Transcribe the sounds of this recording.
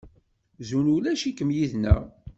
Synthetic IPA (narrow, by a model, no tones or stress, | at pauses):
zunulæʃikːəmjiðnæ̰